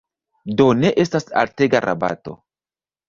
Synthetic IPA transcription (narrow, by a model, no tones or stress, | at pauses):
do̞ne̞ʔe̞stasa̰lte̞ɡaɾʔa̰ba̰to̰